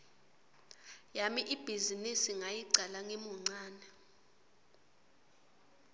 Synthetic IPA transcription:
jamiʔib̥ʱizinisiŋajiǀalaŋemuŋ͡ǀaːnɛ

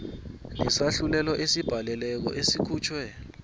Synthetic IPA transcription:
ŋisaɬulɛlɔʔesib̥ʱalɛlɛk̬ɔ̰ʔesikʰuːt͡ʃʰwɛ

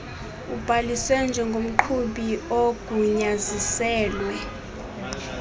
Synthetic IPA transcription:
ub̥ʱaliswɛnd͡ʒʱɛŋɡʱom̩ǃʰuɓioɡ̥ʱuɲazisɛːlwɛ

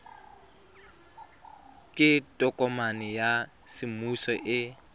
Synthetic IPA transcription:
kʼɪtʼɔkʼɔmanɪja | sɪmusɔʔɪ

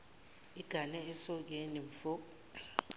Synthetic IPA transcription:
iɡ̥ʱanɛɛsɔk̬eniɱ̩fɔ

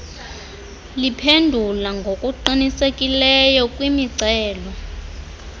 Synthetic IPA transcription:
lipʰendʱulaŋɡʱokʼuǀinisekʼilɛjɔkʼwimiǀɛːlɔ

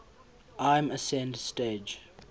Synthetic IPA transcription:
ʔãɪ̃məsɛ̃ndsteːd͡ʒ

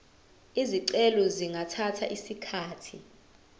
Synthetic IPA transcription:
iziǀɛlɔziŋʱatʰatʰa̰ʔisikʰaːtʰi

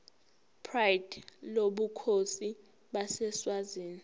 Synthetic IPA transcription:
pʰrajidloɓukʰosi | ɓasɛswaziːni

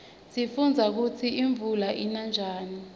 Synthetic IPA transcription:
sifund͡zʱak̬ut͡sʰiiɱvulaʔinand͡ʒʱaːni

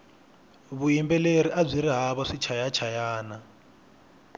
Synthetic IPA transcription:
βujimbɛleɾiʔab͡ʐʷiɾiɦaβɔʂit͡ʃʰajat͡ʃʰajaːna

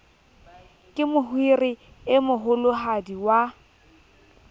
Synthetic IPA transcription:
kʼɪmʊhwirɪ | ɪmʊɦʊlʊɦadiwa

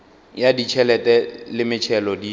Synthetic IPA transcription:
jadit͡ʃʰɛlɛtʼɛlɪmɪt͡ʃʰɛlɔdi

